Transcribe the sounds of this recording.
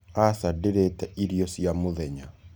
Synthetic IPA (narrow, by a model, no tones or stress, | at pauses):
asadeɾetɛʔiɾjɔsjamoðɛɲa